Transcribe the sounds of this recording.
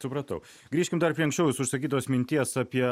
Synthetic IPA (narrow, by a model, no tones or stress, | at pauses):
sʊpɾɐt̪ɐʊ | ɡɾʲiːʃʲkʲɪmd̪ɐɾpɾʲiɛɐŋsʲt͡ʃʲɛʊjʊsʊʃsɐkʲiːt̪oːsmʲɪnʲt̪ʲiɛsɑpʲiɛ